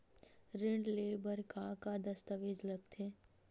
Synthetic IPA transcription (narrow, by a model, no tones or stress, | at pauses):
ɾɪɳɖleːbəɾkakad̪ɐst̪əʋɪd͡ʒlɐɡt̪ʰeː